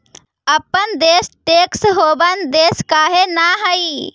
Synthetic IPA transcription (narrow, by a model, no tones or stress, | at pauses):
əpənd̪eːsʈeːksɦoːbənd̪eːskaːɦenaɦəi